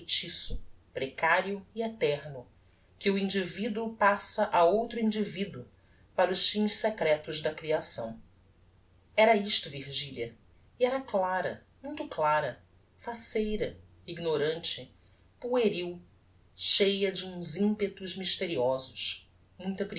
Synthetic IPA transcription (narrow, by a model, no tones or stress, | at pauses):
t͡ʃisʊpɾekaɾiʊiɛt̪ɛɾnʊ | kɪuĩnd͡ʒivid̪uʊpasɐʔaowt̪ɾʊĩnd͡ʒivid̪uʊ | paɾʊʃfĩssekɾɛt̪ʊzd̪ɐkɾiasɐ̰̃w̃ | ɛɾɐiʃt̪ʊviɾʒilʲɐ | iɛɾɐklaɾɐmũj̃t̪ʊklaɾɐ | fasejɾɐ | iɡnoɾɐ̃nt͡ʃɪ | pueɾiw | ʃejɐd͡ʒɪũzĩpet̪ʊzmiʃt̪eɾiɔzʊʃ | mũj̃t̪ɐpɾ